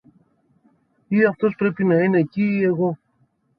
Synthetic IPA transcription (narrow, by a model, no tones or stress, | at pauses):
iɐft̪o̞spɾe̞pinɐine̞ciːe̞ɣo̞